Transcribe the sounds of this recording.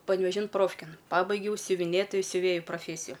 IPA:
pɐnʲˈʋʲæːʒʲɪn ˈproːfʲkʲeːn ˈpɑːbɐɪɡʲɛʊ sʲʊʋʲɪˈnʲeːtoːjʊ sʲʊˈʋʲeːjʊ proːˈfʲeːsʲɪjʊ

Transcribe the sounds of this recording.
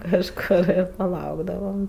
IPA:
kɐʃˈkoːr ɪr pɐˈlˠɐʊɡdɐʋɐm

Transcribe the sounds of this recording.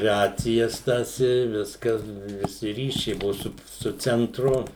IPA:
ˈrɑːt͡sʲɪjɛs tɐs ɪ ˈʋʲɪskɐs ʋʲɪˈsʲɪ ˈrʲiːʃʲɛɪ ˈbʊʋʊ sʊ sʊ t͡sʲɛnˈtrʊ

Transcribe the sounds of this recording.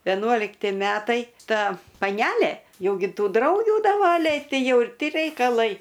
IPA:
ʋʲɛˈnuɔlʲɪktʲɪ ˈmʲæːtɐɪ ˈtɐ pɐˈnʲælʲeː ˈjɛʊ ɡʲɪ ˈtuː ˈdrɐʊɡʲuː dɐˈʋɑːlʲɛɪ ˈtɐɪ ˈjɛʊ ɪr ˈtʲɪ rʲɛɪkɐˈlˠɐɪ

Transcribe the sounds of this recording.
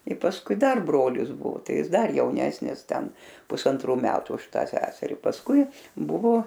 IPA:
ɪ pɐsˈkʊɪ ˈdɐr ˈbroːlʲɪs ˈbʊʋoː ˈtɐɪ ˈjɪs ˈdɐr jɛʊˈnʲæːsʲnʲɪs ˈtʲɛn pʊsɐnˈtruː ˈmʲæːtʊ ʊʃ ˈtɑː ˈsʲæːsʲɛrʲɪ pɐsˈkʊɪ ˈbʊʋoː

